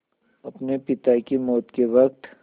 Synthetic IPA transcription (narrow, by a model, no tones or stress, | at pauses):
ɐpnepɪt̪akemɔːt̪keʋɐk̚t̪